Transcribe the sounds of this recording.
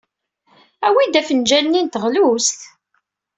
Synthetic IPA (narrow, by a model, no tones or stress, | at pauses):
æwid̪æfənd͡ʒælnint̪əʁlust̪